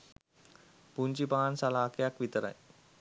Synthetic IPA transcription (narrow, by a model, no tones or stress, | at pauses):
puɲt͡ʃipaːnsalaːkejakʋit̪əɾa̰j